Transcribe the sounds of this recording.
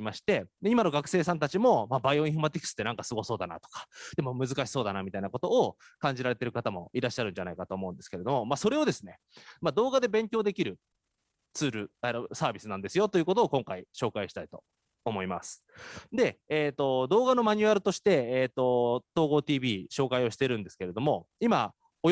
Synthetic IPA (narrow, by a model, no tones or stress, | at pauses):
imaɕi̥t̪e̞d̪eimano̞ɡakɯ̟̥se̞ːsãnt̪at͡ɕimo̞maːbaiõ̞ĩɸomat̪ʲikɯ̥sɨ̥t̪ːenãŋkasɨɡo̞so̞ːd̪ana̰t̪o̥kḁd̪̥e̞mo̞mɯ̟zɨkaɕi̥so̞ːd̪anamʲit̪ainako̞t̪o̞ːkãɲ̟d͡ʑiɾaɾe̞t̪e̞ɾɯ̟kat̪amo̞̰iɾaɕːaɾɯ̟̃ɲd͡ʑanaikat̪o̞ːmo̞ɯ̟nd̪e̞sɨ̥ke̞ɾe̞d̪o̞mo̞maso̞ɾe̞o̞d̪e̞sɨne̞ | mad̪o̞ːɡad̪e̞bẽ̞ŋkʲo̞ːd̪e̞kʲiɾɯ̟ | t͡sɨːɾɯ̟aɾsaːbʲisɨnãnd̪e̞sɨjo̞t̪o̞jɯ̟ːko̞t̪o̞ːkõ̞ŋkaiɕo̞ːkaiɕi̥t̪ait̪o̞ː | mo̞imasɨ̥d̪e̞ːt̪ːo̞d̪o̞ːɡano̞maɲ̟ʲɨaɾɯ̟t̪o̞ɕi̥t̪e̞ːt̪ːo̞t̪o̞ːɡo̞ːt̪iːbʲiːɕo̞ːkaio̞ɕi̥t̪e̞ɾɯ̟̃nd̪e̞sɨ̥ke̞ɾe̞d̪o̞mo̞ima | o